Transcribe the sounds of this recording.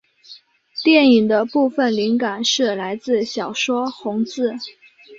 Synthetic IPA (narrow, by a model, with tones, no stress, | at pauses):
t̪jɛ˥˩ni˨˩ŋd̪ə˦pu˥˩fə˨˩nli˧˥ŋka˨˩nʂɻ̩˥˩la˧˥ɪt͡sɹ̩˥˩ɕjɑ˨˩ʊʂwɔ˥xʊ˧˥ŋt͡sɹ̩˥˩